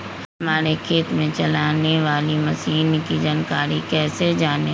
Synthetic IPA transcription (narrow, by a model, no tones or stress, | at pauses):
hɐmaːɾekʰeːt̪mẽt͡ʃɐlaːneʋaːlimɐsiːnkid͡ʒaːnkaːɾikɛːsed͡ʒaːne